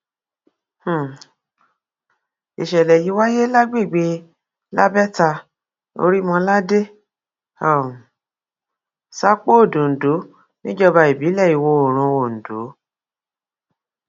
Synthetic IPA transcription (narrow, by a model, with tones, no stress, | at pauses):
h̩˨ | i˨ʃɛ˨lɛ˨ji˨˦wa˦je˦la˦ɡ͡be˦˨ɡ͡be˧ | la̰˦bɛ˦ta˧ | o̰˧ɾi˦mɔ̃˧la˦de˦ | ɔ˨ | sa˦k͡po˦o˦˨du˨n̩˨du˨˦ | nĩ˦d͡ʒɔ˧ba˧i˨bi˨˦lɛ˦˨i˨wo˧o˨ɾ̃ũ˧wo˨n̩˨du˨˦